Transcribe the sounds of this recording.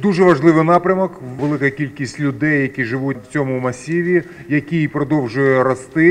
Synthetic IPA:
d̪uʒɛʋɐʒlˠɪʋɪnɑpɾʲɐmɔkʋelˠɪkɐkʲilʲkʲisʲtʲlʲʊd̪ɛjːɐkʲiʒɪʋut͡sʲɔmʊmɐsʲiʋʲi | jɐkʲiipɾɔd̪ɔwʒʊjɛɾɔst̪ɪ

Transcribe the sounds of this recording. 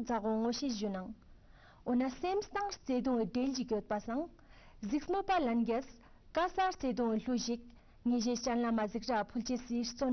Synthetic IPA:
d͡zaχwoŋoɕeʑonaŋ | ɦonːasemst̪aŋht͡sed̪oŋɦɖ͡ʐeld͡ʑəɦɡot̪̚pasʰaŋ | ɦzək̚smopalanɦɡas | kasaht͡sed̪oŋɬuʑək̚ | ŋeʑeht͡ɕanlamazək̚rapʰolt͡ɕesiht͡son

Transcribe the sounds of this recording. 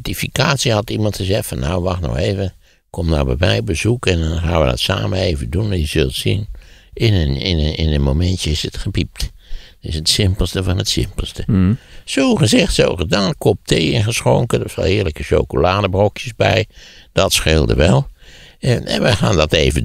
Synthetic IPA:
tifikaːsihɑtimɑntxəzɛxtfɔnːawʋaxtnɔ̰xeːvə | kʰomda̰bɛ̰bɛjbəzukɛndɔnxaːnʋədɔ̰tsa̰ːməeːvədunɛjəzølˠtsinɪnɪnɪnənmomɛntjəɪsətxəpip̚t | ɪsətsɪmpəl̩ˠstəfɔnətsɪ̰mpəlˠstəsoːxəzɪxtso̰ːxədaːnkʰop̚tʰeːɪnxəsxoŋkədɔsɔ̰lˠɪərləkəʃo̰wkolaːdəbrokʰjəsbɛ̰jd̥ɔtsxɪlˠdə̰ʋɛlˠ | ɛ̰nʋəxa̰ːndɔteːvə

